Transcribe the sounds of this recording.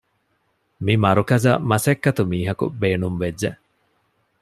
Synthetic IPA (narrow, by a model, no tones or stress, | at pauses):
mimɐɾukɐzɐ̰mɐsɐkːɐt̪umiːɦɐkṵbeːnumʋed͡ʒːe